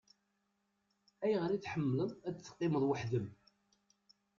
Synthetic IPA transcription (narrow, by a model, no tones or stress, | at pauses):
æjʁɾit͡sːħəmːləðˤæt͡sθːə̥qːɪməðˤwəħðəm